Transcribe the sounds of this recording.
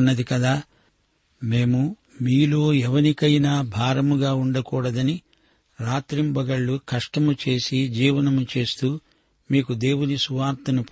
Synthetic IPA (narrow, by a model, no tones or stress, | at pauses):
nːɐd̪ikɐd̪aː | meːmu | miːlo̞ːɛʋɐnikɐjnaːbʱaːɾɐmuɡaːuɳɖɐkuːɽɐd̪ɐni | ɾaːt̪ɾimbɐɡɐɭːukɐʂʈɐmut͡ʃe̞ːsid͡ʒiːʋɐnɐmut͡ʃe̞ːst̪uː | miːkud̪e̞ːwunisuʋaːɾt̪ɐnup